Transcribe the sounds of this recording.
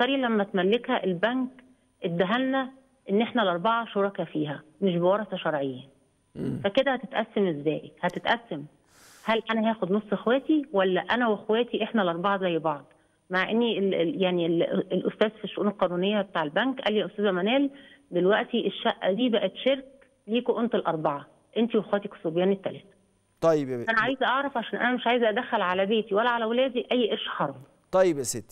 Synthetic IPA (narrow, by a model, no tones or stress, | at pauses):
t̪ɑɾilæmːæt̪mælːekhæʔelbæŋk | ʔed̪ːæɦælnæ | ʔenːʔeħnælʔɑɾˤbɑʕɑʃoɾˤɑkæfiːɦæmeʃ̬bewɑɾˤɑθɑʃɑɾˤʕejːæ | fæked̪æhæt̪et̪ʔæsːæmʔezːæːʔihæt̪et̪ʔæsːæm | hælʔænæɦæːxod̪nosˤːʔexwæːt̪iwælːæʔænæwexwæːt̪iʔeħnælʔɑɾˤbɑʕɑzæjːæbɑʕd̪ˤ | maʕʔenːiejaʕnillʔost̪æːzfiʃːoʔuːnelqɑːnuːnejːæbet̪aːʕelbæŋkʔælːijæʔost̪æːzæmænæːl | d̪elwæʔt̪iʔeʃːæʔːd̪iːbæʔæt̪ʃeɾk | liːkoʔont̪elʔɑɾˤbɑʕɑ | ʔent̪iwʔexwæːt̪iksobjæːnit̪ːælæ̰ːt̪æ̥ | t̪ˤɑjbʔænæʕaːjzʔɑʕɾˤɑfʕaʃæːnʔænæmeʃʕaːjzʔæd̪æxːælʕalæbeːt̪iwælːæʕalæwlæːd̪iʔæjːʔeɾʃħɑɾˤɑm | t̪ˤɑjːebʔæset̪ːi